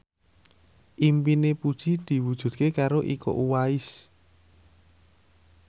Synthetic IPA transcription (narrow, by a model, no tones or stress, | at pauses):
ʔimpinepud̥ʒ̥id̪̥i̤wud̥ʒ̥ṳd̪̥̚kekaɾoʔiko̰ʔuwaɪs